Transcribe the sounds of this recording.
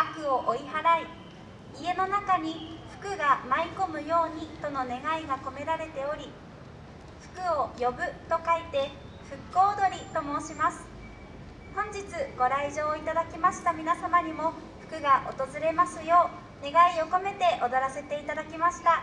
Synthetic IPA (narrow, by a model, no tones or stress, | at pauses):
akɯ̟o̞ʔoihaɾai | ie̞no̞nakaɲ̟iɸɯ̟̥kɯ̟ɡamaiko̞mɯ̟jo̞ːɲ̟it̪o̞no̞ne̞ɡaiɡako̞me̞ɾaɾe̞t̪e̞o̞ɾʲi | ɸɯ̟̥kɯ̟o̞jo̞bɯ̟t̪o̞kait̪e̞ | ɸɯ̟kːo̞ːd̪o̞ɾʲit̪o̞mo̞ːɕimasɨ̥ | hõ̞ɲ̟d͡ʑit͡sɨɡ̥o̞ɾaiʑo̞ːit̪ad̪akʲimaɕi̥t̪amʲinasamaɲ̟imo̞ | ɸɯ̟̥kɯ̟ɡaʔo̞t̪o̞zɨɾe̞masɨjo̞ː | ne̞ɡaio̞ko̞me̞t̪e̞ʔod̪o̞ɾase̞t̪e̞it̪ad̪akʲimaɕi̥t̪a